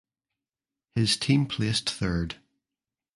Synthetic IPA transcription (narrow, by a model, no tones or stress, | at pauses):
hɪz̥tʰĩmpʰl̥estθɜ˞d̥